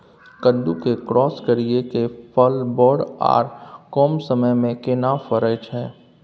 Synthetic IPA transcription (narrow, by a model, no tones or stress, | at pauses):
kədukekɾɔːskəɾiekepəlbɔːɖa̰ːɾkɔːmsəməjmẽkɪnafəɾəd͡ʒɦɛː